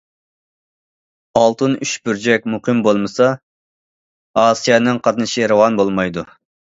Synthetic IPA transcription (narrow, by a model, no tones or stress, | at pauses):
ɑlˠt̪ʰɨnyʃbyɾd͡ʒɛk̚ʲmuqʰɨmbolˠmɨsɑ | ɑsijɑnɨŋqʰɑt̪nɨʃiɾɨwɑnbolˠmɑjd̪u